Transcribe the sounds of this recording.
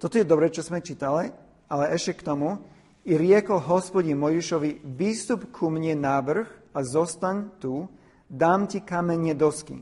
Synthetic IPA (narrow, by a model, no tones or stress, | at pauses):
t̪ɔt̪ɔjɛd̪ɔbɾɛt͡ʃɔzmɛt͡ʃiːt̪ali | alɛʔɛʃcɛkt̪ɔmu | iɾɪɛkɔlɦɔspɔɟinmɔjiʃɔʋiʋiːst̪upkʰumɲɛnaːʋr̩xazɔst̪aɲt̪u | d̪aːmcikamɛɲɛd̪ɔskḭ